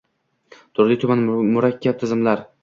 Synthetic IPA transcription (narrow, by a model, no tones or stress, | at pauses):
t̪ʰʊɾlɪt̪ʰʊmanmʊɾakʲʰːap̚t̪ʰɪzɪmlaɾ